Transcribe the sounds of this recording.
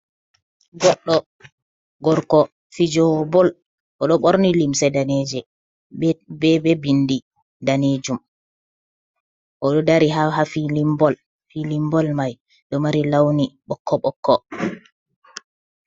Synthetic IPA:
ɡɔɗːɔ | ɡɔɾkɔ | fid͡ʒɔbɔl | ʔɔɗɔɓɔɾnilimsɛdaned͡ʒɛ | bɛbɛbindi | daned͡ʒum | ʔɔɗɔdaɾiɦaɦafilimbɔl | filimbɔlmaj | ɗɔmaɾilawniɓɔkʰːɔɓɔkʰːɔ

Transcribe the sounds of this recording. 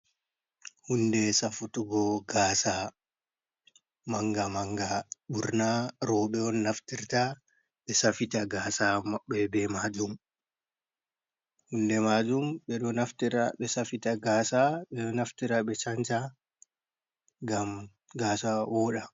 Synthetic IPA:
hundɛsafutuɡɔɡaːsa | maŋɡamaŋɡaɓuɾnaɾɔɓɛɔnːaftiɾta | ɓɛsafitaɡaːsamɓɛbɛmad͡ʒum | hundɛmad͡ʒumɓɛɗɔnaftiɾaɓɛsafitaɡaːsaɓɛɔnaftiɾaɓɛt͡ʃant͡ʃa | ɡam | ɡaːsawɔːɗa

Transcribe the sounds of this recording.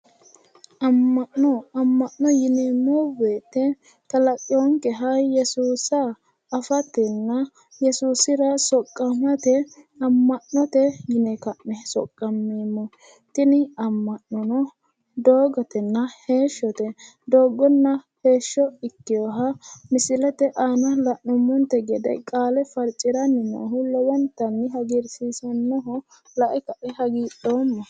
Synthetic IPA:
ʔɐmːɐʔːɔɐmːɐnːɔjɪnɛmɔbeːt̪ːɛ | t̪ɐlɐkʼːɪɔŋkɛɦɐjɛsuːsɐː | fɐt̪ɛnːɐ | jɛsuːsɪɾɐsɔkʼːɐmɐt̪ɛ | ɐmːɐnːɔt̪ɛjɪnɛkɐʔnɛsɔ̰kʼːɐmːiːmːɔ | t̪ɪnɪɐmːɐnːɔnɔ | d̪oːɡɔt̪ɛnːɐhe̞ːʃːɔt̪ɛ | d̪o̞ːɡːɔnːɐhe̞ːʃːɔɪkːɪjɔɦɐmɪsɪlɛt̪ɛʔaːnɐlɐʔːɔmːɔnt̪ɛɡɛd̪ɛ̰kʼaːlɛfɐɾt͡ʃʼːɪɾɐnɪnɐ̰ːɦʊlɔwɐnt̪ɐnːɪɦɐɡɪɾsiːsɐnːɔɦɔ | lɐʔɛkɐʔɛhɐɡiːɗoːmːɔ

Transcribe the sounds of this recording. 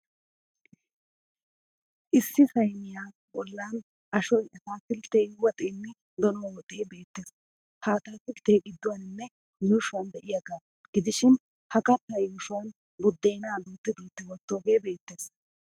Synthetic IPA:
ʔɪsːɪsɐjnɪjaː | bɔlːaːn | ʔɐʃɔjɐsaːfɪlt̪eːwɔt̪ʼeːnːɛ | d̪ɔnoːwɔt̪ʼeːbe̞ːt̪ːeːs | haːt̪aːt̪ɪlt̪eːɡɪd̪ːʊwanɪnːɛ | juːʃʊwand̪ɛʔɪjaɡaː | ɡ̥ɪd̪ɪʃɪn | hɐkʼɐt̪ːajuːʃʊwɐn | bʊd̪ːeːnaːd̪uːt̪ːɪd̪uːt̪ːɪwɔt̪ːoːɡe̞ːbe̞ːt̪ːe̞ːs

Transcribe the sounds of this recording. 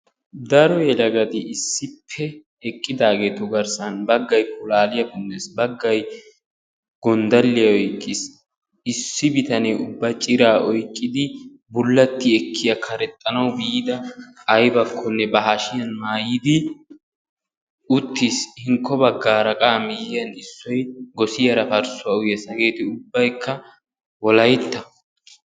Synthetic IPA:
d̪ɐɾɔjɛlɐɡɐd̪ɪʔɪsːɪpʰːɛ | ɛkʼːɪd̪aːɡeːt̪ɔɡɐɾsɐnbɐɡːɐjkʊlaːlɪjɐkʊnːesbɐɡːɐj | ɡ̥ɔnd̪ɐlːɪjɐɔjkʼːɪs | ɪsːɪbɪt̪ɐnɛʊbːɐt͡ʃʼɪɾaːʔɔjkʼːɪd̪ɪ | bʊlːɐt̪ːɪɛkʰːɪjɐkʰɐɾɛt̪ʼːɐnɐwbiːd̪ɐːjbɐkʰːɔnːɛbɐɦaʃɪjɐnmaːjɪd̪ɪ | ʔʊt̪ːishɪŋkːɔbɐɡːaːɾɐkʼaːmɪjɪjɐnɪsːɔjɡɔsɪjɐɾɐfɐɾsʊwɐʊjɐsɐɡe̞ːt̪ɪʊbːɐjkʰːɐ | wɔlɐjt̪ːɐ

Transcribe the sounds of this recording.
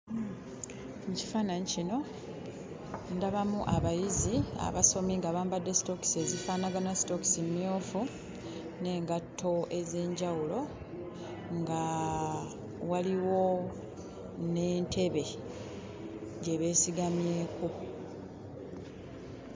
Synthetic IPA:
muci̥faːnaɲicino̞ | ndaβamuʔaβajizia̰βaso̞miŋɡaβaːmbadːe̞si̥to̞ki̥se̞zifaːnaɡanasi̥to̞ki̥simijo̞ːfu | ne̞ːŋɡatːo̞e̞ze̞ːɲɟawulo̞ | ŋɡa | waliwo̞ | ne̞ːntʰe̞βe̞ | ɟe̞βe̞ːsiɡamje̞ːku

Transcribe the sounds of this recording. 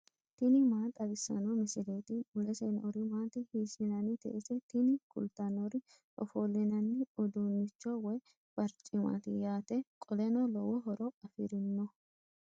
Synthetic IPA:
t̪ɪnɪmaːt̪ʼɐbɪsːɐ̰nɔmɪsɪleːt̪ɪʊlɛseːnɔɾɪmaːt̪ɪhiːsɪnɐnɪt̪ɛ̰ʔɛsɛt̪ɪnɪkʊ̰lt̪anɔɾɪ | ʔɔfoːlːɪnɐnːɪɔd̪unːɪt͡ʃːɔwɛ | b̥ɐɾt͡ʃʼːɪma̰t̪ɪjaːt̪ɛkʼɔlɛnɔlɔwɔɦɔɾɔɐfɪɾɪnːɔ

